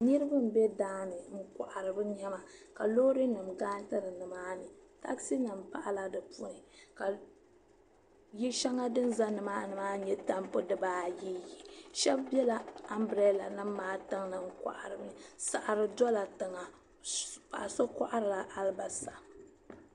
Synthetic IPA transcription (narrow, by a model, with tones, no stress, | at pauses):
nɨ˦ɾɨ˦bɨ˦m̩˨bɛ˦daː˦nɨ˨ŋ̩˦ka̰˨ʔa˨ɾɨ˨bɨ˦ɲɛ˦ma˨ka˨lo˦ɾi˦nɨ˨mɡaː˦n˦tɨ˦ɾɨ˨nɨ˨maː˦nɨ˨ta̰˦ksi˦nɨ˨m˨pa̰˦ʔa˦la˦dɨ˨pu˦nɨ˨ka˨ | ji˦ʃɛ˦ŋa˦dɨ˦n˦za˦nɨ˨maː˦nɨ˨maː˦ɲɛ˦ta˦mpo˦dɨ˦baː˦ji˦ji˨ʃɛ˦bbɛ˦la˨a˦mbɾɛ˦˨la˨nɨ˦mː˦aː˦tɨ˦ŋnɨ˨ŋ̩˦ka̰˨ʔa˨ɾɨ˨mɨ˨sa˨ʔa˨ɾɨ˨dɔ˦la˨tɨ˨ŋa˨ | pa˨ʔso˦ka̰˦ʔa˦ɾɨ˨la˨ʔa˦lba˨sa˨